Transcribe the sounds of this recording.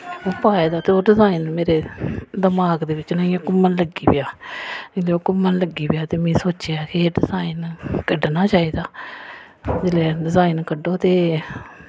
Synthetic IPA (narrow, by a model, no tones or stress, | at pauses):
oːpaːeːd̪aːt̪eoːɖɪzaːinmeːɾeːd̪əmaːɡd̪eːʋɪt͡ʃnaːiãːkʊmːənləɡiːpɪjaːd͡ʒeleːoːkʊmːənləɡːiːpɪjaːt̪eːmĩːsoːt͡ʃeaːkeːɖɪzaːinkəɖnaːt͡ʃaːiːd̪aː | d͡ʒeleːɖɪzaːinkəɖoːt̪eː